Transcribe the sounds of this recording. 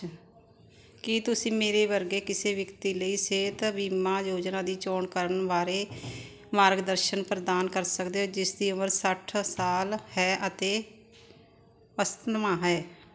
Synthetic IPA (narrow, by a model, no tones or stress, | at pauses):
kit̪ʊsĩːmeːɾeːʋəɾɡeːkɪseːʋəkt̪iːləiːseːt̪biːmãːjoːd͡ʒnãːd̪iːt͡ʃoːɳkəɾənʋaːɾeː | maːɾɡd̪əɾʃənpɾəd̪aːnkəɾsəkd̪eːoːd͡ʒɪsd̪iːʊməɾsəʈʰsaːlhɛːʔət̪eː | ʋəst̪ənmaːɦɛː